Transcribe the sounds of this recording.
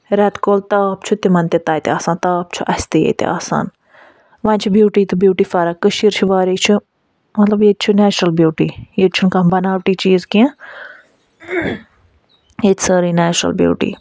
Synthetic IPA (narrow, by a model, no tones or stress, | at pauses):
ɾɛt̪koːlt̪aːpt͡ʃʰut̪imɐnt̪et̪aːjt̪eaːsãːnt̪aːpt͡ʃʰuʔɐst̪ijḛt̪ḛʔa̰ːsa̰ːn | ʋãːnʲt͡ʃʰibjuːʈiːt̪ɨbjuːʈiːfaːɾakːəʃiːɾt͡ʃʰuʋaːɾiːt͡ʃʰu | mɐt̪lɐbjeːt͡ʃʰunɛːt͡ʃɾɐlbjuːʈiːjet͡ʃʰunkãːbɐnaːʋʈiːt͡ʃiːzkĩã | jeːt̪səːɾiːnɛːt͡ʃɾə̰lbjṵːʈḭː